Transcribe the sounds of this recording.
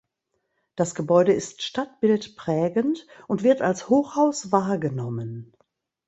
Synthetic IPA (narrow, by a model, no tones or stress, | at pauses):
d̥asɡ̥əbɔʏɾəɪstʃtat̚b̥ɪltpʁ̥ɛːɡəntʔʊntv̥ɪɐtalshoːxhaʊsvaːɐɡənɔmən